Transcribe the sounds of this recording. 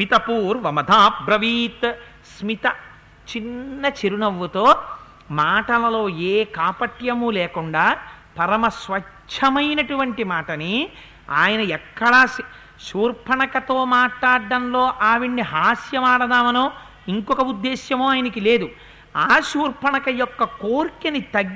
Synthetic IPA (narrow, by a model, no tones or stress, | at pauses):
mit̪ɐpuːɾʋɐmɐd̪ʱaːbɾɐʋiːt̪ | smit̪ɐ | t͡ʃinːɐt͡ʃeɾunɐʋːut̪o̞ː | maːʈɐlɐlo̞ːeːkaːpɐʈjɐmuleːkuɳɖaːpɐɾɐmɐsʋɐt͡ʃʰːɐmɐjnɐʈuʋɐɳʈimaːʈɐni | aːjɐnɐɛkːɐɽaː | ʃuːɾpʰɐɳɐkɐt̪o̞ːmaːʈlaːɐnloːʔaːʋiɳːiɦaːsjɐʋaːɽɐd̪aːmɐnoː | iŋkɔkɐud̪ːeːʃjɐmoːaːjɐnɐkile̞ːd̪u | aːʃuːɾpʰɐɳɐkɐjɔkːɐkoːɾkɐnit̪ɐɡ